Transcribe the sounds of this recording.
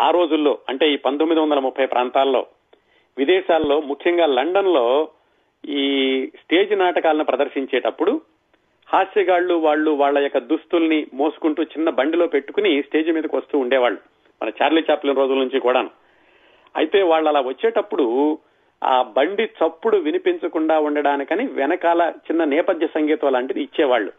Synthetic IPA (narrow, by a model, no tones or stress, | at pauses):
aːɾo̞ːd͡ʒulːo̞̰ːɐɳʈe̞iːpɐnt̪omːid̪iʋɐnd̪ɐlɐmupʰːɐjpɾʔaːnt̪aːlɐlo̞̰ː | ʋid̪ɛːʃaːlːo̞ːmukʰjɐŋɡaːlɐɳɖɐnlo̞ː | iːsʈe̞ːd͡ʒinaːʈɐkaːlɐnupɾɐd̪ɐɾʃiɲt͡ʃɛːʈɐpːuɽu | haːsiɡaːɭːuʋaːɭːuʋaːɭːɐjokːɐd̪ust̪ulɐnimo̞ːsu̥kuɳʈuːt͡ʃinːɐbɐɳɖilo̞ːpe̞ʈːu̥kunisʈe̞ːd͡ʒumiːd̪ɐkiʋɐst̪uːuɳɖɛːʋaːɭːu | mɐ̰nɐt͡ʃaːɾliːt͡ʃaːplinɾo̞ːd͡ʒulnuɲt͡ʃikuːɽaːnu | ɐ̰jit̪e̞ːʋaːɭːɐlːaːʋɐt͡ʃːɛːʈɐpːuɽu | a̰ːbɐɳɖit͡ʃɐpːuɽuʋinipiɲt͡ʃɐkuɳɖaːuɳɖɐɽaːnikɐniʋɛnɐkaːlɐt͡ʃinːɐnɛːpɐd̪ʱjɐsɐŋɡiːt̪ɐʋɐlaːɳʈid̪iːt͡ʃːɛːʋaːɭːṵ